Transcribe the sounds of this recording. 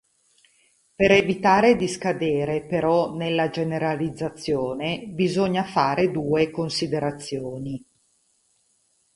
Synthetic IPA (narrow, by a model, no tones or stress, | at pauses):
peɾevit̪aːɾed̪iskad̪eːɾepeɾɔnelːad͡ʒeneɾalid̪zːat̪sːjoːnebizoɲːafaːɾed̪uːekonsid̪eɾat̪sːjoːni